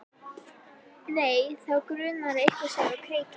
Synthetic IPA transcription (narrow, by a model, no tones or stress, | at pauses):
neːjθawkɾʏːnaɾɪehkvḁsaːwɣakʰɾeːjcɪ